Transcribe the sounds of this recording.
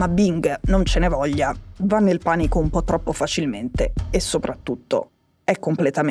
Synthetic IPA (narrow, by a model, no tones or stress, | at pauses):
mabiŋɡnont͡ʃenevɔʎːavanːelpanikoumpɔt̪ːɾɔpːofat͡ʃilment̪eesːopɾʔat̪ːut̪ːo̰ | ɛkːomplet̪am